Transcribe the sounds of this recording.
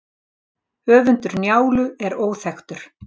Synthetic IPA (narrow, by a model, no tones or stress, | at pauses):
œːvʏnt̪ʏɾnjaːwlʏɛɾoːwθɛxt̪ʏɾ̥